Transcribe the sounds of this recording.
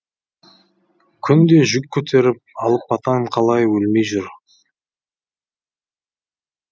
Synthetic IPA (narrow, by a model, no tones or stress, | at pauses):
kʲʰʏnd̪e̞ʒʏkʲʰːɵt̪ʰe̞ɾɪp̚ɑlˠəpɑt̪ɑɴqʰɑlˠɑjwɵlme̞jʒʏɾ